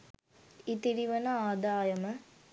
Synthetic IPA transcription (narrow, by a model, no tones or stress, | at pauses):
it̪iɾiʋɐnɐaːd̪aːjɐmɐ